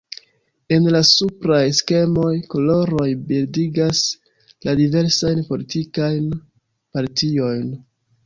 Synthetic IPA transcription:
e̞nlasupɾajske̞mo̞jko̞lo̞ɾo̞jbildiɡas | ladive̞ɾsajnpo̞litikajn | paɾtio̞jn

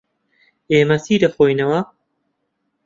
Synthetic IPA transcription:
eːmɐsiːdɐxoːjnɐwɐ

